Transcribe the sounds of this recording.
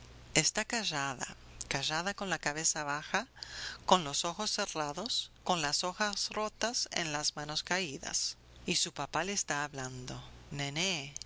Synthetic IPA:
est̪akaʒaða̰ | kaʒaðako̞nlakaβe̞saβaxako̞nlo̞so̞xo̞sːe̞raðo̞sko̞nlaso̞xasro̞t̪asḛnlazmano̞skaiða̰s | isupapaleːst̪aːβland̪o̞nene

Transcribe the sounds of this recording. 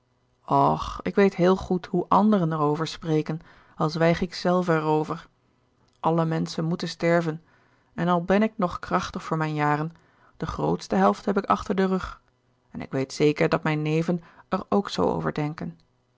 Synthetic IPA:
ɔχɪkʋejtɦɪːlˠχutɦuʔɑndərənɛrowvəɹsprejkən | ɑlˠzʋɛjχɪksɛlˠvəɛrowvəɹ | ʔɑləmɛnsənmutənstɛɹvən | ɛnɑlˠbɛnɪk̚nɔχkrɑχtəχfʊːɹmɛjnjaːrən | d̥əχro̰wtstəɦɛlˠftɦɛpɪkɑ̰χtəɹdərɵχ | ɛnɪ̰kʋejtsejkəɹdɑtmɛjnlejvənəɹowkso̰wo̰wvə̰ɹdɛŋkən

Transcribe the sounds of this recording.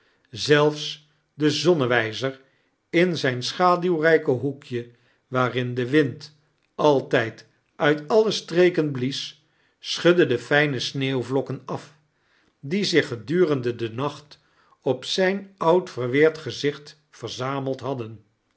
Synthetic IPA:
zɛlˠfs | dəzɔnəʋɛjzəɹ | ɪnzɛjnsχaːdywrɛjkəɦukʰjə | ʋaːrɪndəʋɪnt | ɑlˠtɛjt | ʔœɥtɑləstrejkənblis | sχɵdədəfɛjnəsneːwvlɔkənɑf | dizɪχːədyːrəndədənɑχt | ɔpsɛjnʌwtfərʋɪːɹtχəzɪχt | fəɹzaːməlˠtɦɑdən

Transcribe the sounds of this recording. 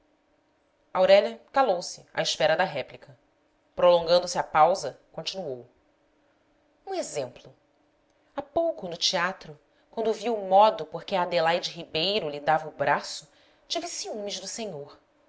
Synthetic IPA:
awɾɛʎɐkalowsɪa̰ɪʃpɛɾɐd̪ɐɦɛplikɐ | pɾolõŋɡɐ̃nd̪ʊsɪɐpawzɐkõnt͡ʃinuow | ũezẽmplʊ | apowkʊnʊt͡ʃiat̪ɾʊ | kwɐ̃nd̪ʊviwmɔd̪ʊpoɾkɪɐad̪elajd͡ʒɪɦibejɾʊlid̪avɐubɾasʊ | t͡ʃivisiũmiʒd̪ʊsẽɲoɾ

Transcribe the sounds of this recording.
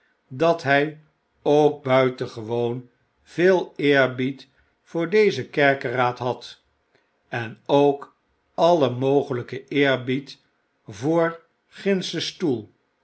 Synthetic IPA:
dɑtɦɛj | owk̚bœɥtəχəʋown | v̥ɪːlˠɪːɹbit | fʊːɹdejzəkɛɹkəraːtɦɑt | ɛnowk | ɑləmowχələkəɪːɹbit | vʊːɹ | χɪnsəstulˠ

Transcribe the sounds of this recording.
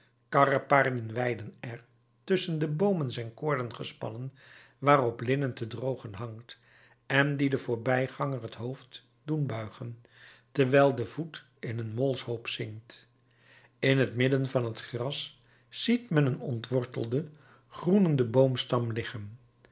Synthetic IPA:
kɑrəpaːɹdənʋɛjdənɛɹ | tʏsəndəbowmənzɛjnkʊːɹdənχəspɑ̰nən | ʋaːrɔplɪnəntədrowχənɦɑŋkt | ɛndidəvʊːɹbɛjχɑŋərɦətɦowft | dunbœɥχən | təɹʋɛjlˠdəv̥ut | ɪnənmɔlˠshowpsɪŋkt | ɪnɦətmɪdənvɑnɦətχrɑs | sitmɛnənɔntʋɔɹtə̰l̩ˠdə | χrunəndəbowmstɑmlɪχən

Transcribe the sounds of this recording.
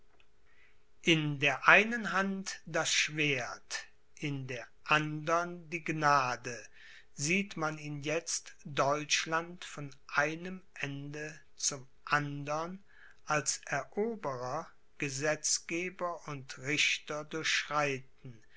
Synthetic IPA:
ʔɪndeːɐʔaɪnənɦantd̥asʃv̥eːɐt | ʔɪndeːɐʔandɐndiːɡnaːdə | ziːtmaniːnjɛt͡std̥ɔʏt͡ʃlantfɔnʔaɪnəmʔɛndə | t͡sʊm | ʔandɐn | ʔalsʔɛɐʔoːbəʁɐ | ɡ̥əzɛt͡sɡ̥eːbɐʊntʁɪçtɐdʊɐçʃʁ̥aɪtn̩

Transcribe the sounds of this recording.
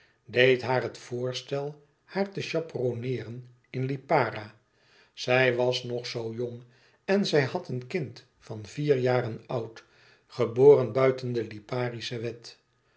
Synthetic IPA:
dejtɦaːrɦətfʊːɹstɛlˠ | haːɹtəʃɑpronɪːrən | ɪnlipaːɾa | z̥ɛjʋɑsnɔχsowjoŋ | ɛnzɛjhɑtənkɪnt | fɑnviːɹjaːɾənɑwt | χəboːrənbœɥtəndəlipaːrisəʋɛt

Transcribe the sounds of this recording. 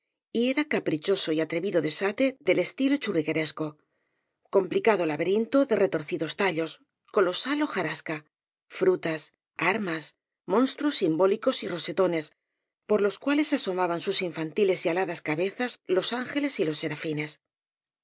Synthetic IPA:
ie̞ɾakapɾit͡ʃo̞so̞iat̪ɾe̞βiðo̞ðe̞sat̪e̞ðe̞le̞st̪ilot͡ʃuriɣe̞ɾe̞sko̞ | ko̞mplikaðolaβeɾint̪o̞ðe̞re̞t̪o̞ɾθiðo̞st̪aʎo̞s | ko̞lo̞salo̞xaɾaska | fɾut̪as | aɾmas | mõ̞nst̪ɾosimbo̞liko̞siro̞se̞t̪o̞ne̞s | po̞ɾlo̞skwale̞saso̞maβansusiɱfant̪ile̞sialaðaskaβe̞θazlo̞saŋxe̞le̞silo̞sːe̞ɾafine̞s

